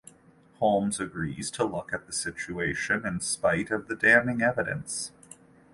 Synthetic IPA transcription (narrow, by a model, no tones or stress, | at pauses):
hõʊ̃mzɨɡɹḭz̥tʰəlʊkɨt̪̚ðɨsɪt͡ʃʉeɪʃɨ̃nɨ̃nspaɪɾʌvðɨdæ̃mɪ̃ŋɛvɨɾɨ̰̃ns